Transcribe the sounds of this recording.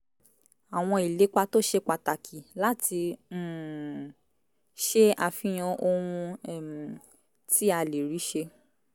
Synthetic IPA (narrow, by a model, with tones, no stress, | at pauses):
a˨w̃ɔ̃˧i˨le˨˦k͡pa˧to˦ʃe˧k͡pa˨ta˨kʰi˨la˦tĩ˧˨ | ʃe˦a˧˨fĩ˨˦j̃ã˧o˧ɾ̃ũ˧ɛ˦˨m˨ | ti˦a˧le˨ɾi˨˦ʃe˧